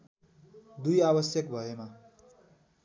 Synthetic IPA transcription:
d̪ujabʌsjʌkbʱʌema

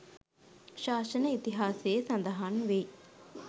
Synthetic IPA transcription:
ʃaːʃənəit̪iɦaːsejːsɐnd̪ɐɦanʋe

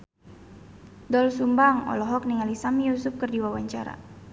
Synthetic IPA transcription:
dɔlsumbaŋɔ̰lɔɦɔk̚niŋalisamijusup̚kərdiwawaɲt͡ʃaɾa̰

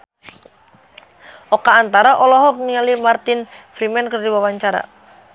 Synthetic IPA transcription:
ʔɔkaːnt̪aɾaʔɔlɔɦɔk̚niŋalimart̪ɪnfɾimɛnkərdiwawaɲt͡ʃaɾa̰

